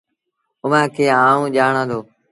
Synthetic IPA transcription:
ʊʋãːkʰeːãːũːʄaːɳãːd̪oː

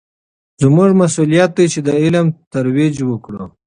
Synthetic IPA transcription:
zmuʐmasulijat̪̚d̪et͡ʃed̪əɪlamt̪aɾwid͡ʒwəkɽə̰

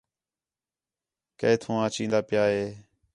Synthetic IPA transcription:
keːt̪ʰõːãːt͡ʃĩːnd̪aːpɪjaːɦeː

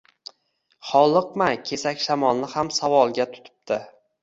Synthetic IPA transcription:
χɒlˠɨq̚makʲʰe̞sakʲʃamɒlˠnɪhamsavɒlˠɡʲat̪ʰʊ̥t̪ʰɪ̥p̚t̪ʰɪ

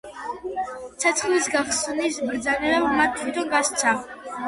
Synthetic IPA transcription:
t̪sʰat̪sʰχlisɡaχsnisbɾd̪zanɛɾabmat̪̚t̪ʰːwit̪ʰɔnɡast̪sʰa

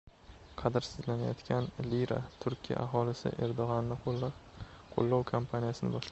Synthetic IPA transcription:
qʰɑd̪ɪɾsɪzlanajɒt̪kʲʰanliɾa̰t̪ʰʊɾkʲʰija̰ʔaɦɒlɪsɪ̰ʔe̞ɾd̪oʁɒnːɪ | qʰo̰lˠːɒwkʰampʰanijasɪnɪ̰bɒʃla

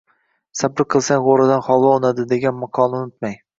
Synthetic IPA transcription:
sabɪɾqʰɨlˠsaŋʁoɾɪd̪anχɒlˠɒonad̪ɪd̪e̞ɡʲanmaqʰɒnɪnʊt̪maj

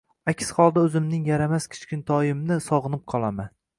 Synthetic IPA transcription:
akʲsχɒlˠd̪aɵzɪmnɪŋjaɾamaskʲʰɪ̥t͡ʃkʲɪnt̪ʰɒjɪmnɪsɒʁɨnɪp̚qʰɒlˠaman

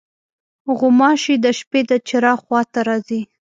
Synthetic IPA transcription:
ɣʊmɑʃid̪əʃped̪ət͡ʃɪɾɑxwɑt̪aɾɑzi

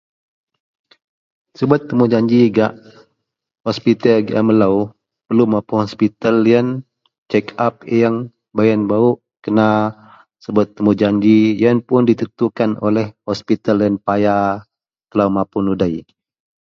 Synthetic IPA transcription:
səbuat̪ːəmud͡ʒaɲd͡ʒiɡaʔ | hɔspit̪əlɡa̰məlaw | pərlumapuŋhɔspit̪aliən | t͡ʃɛkap̚jəŋ | bajənbauʔ | kəna | səbuat̪ːəmud͡ʒaɲd͡ʒijəŋpʊndit̪ət̪ukanolɛhhɔspit̪aljənpaja | t̪əlaumapunudai

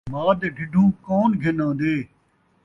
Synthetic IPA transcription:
maːd̪eɖʱɪɖʱuːkoːnɡʱenãːd̪eː

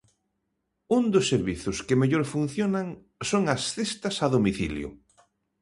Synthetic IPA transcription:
und̪ʊsːeɾβiθʊskemeʎoɾfun̟θjonaŋ | soŋɐsθest̪ɐsaðomiθḭljʊ̰

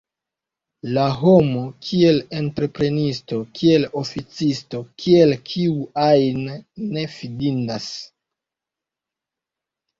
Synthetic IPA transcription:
laɦo̞mo̞kʰie̞le̞ntɾe̞pɾe̞nisto̞kʰie̞lo̞fit͡sisto̞kʰie̞lkʰiuajnːe̞fidindas

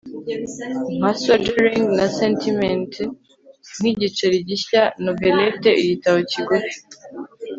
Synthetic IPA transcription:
masadeɾĩŋɡnasentʰiment | n̥hiɟit͡ʃeɾiɟiçanobeleteʔijitaβociɡoɾi

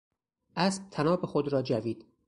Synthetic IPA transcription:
ʔæsb̥̚t̪ʰænɒːbexod̪ɾɒːd͡ʒæviːd̪̥

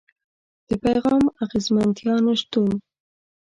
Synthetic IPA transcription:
d̪̥əpajɣɑmaɣezmant̪jɑneʃt̪un

